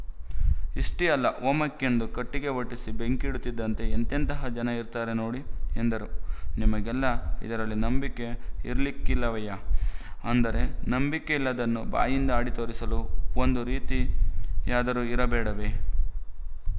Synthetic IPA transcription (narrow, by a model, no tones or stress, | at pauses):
iʂʈiɐlːɐʋoːmɐkːe̞nd̪ukɐʈːiɡe̞ʋɐʈːisibe̞ŋkiɽut̪ːid̪ːɐnt̪e̞ːnt̪ent̪ɐɦɐd͡ʒɐnɐiɾt̪aːɾenoːɽiend̪ɐɾunimɐɡɛlːɐḭd̪ɐɾɐlːinɐmbike̞ḭɾɐlikːilːɐʋɐjɐ | ɐnd̪ɐɾe̞nɐmbikeilːɐd̪ɐnːuba̰ːjind̪ɐaːɽit̪oːɾisɐluond̪uɾiːt̪ijaːd̪ɐɾuiɾɐbɛːɽɐʋe̞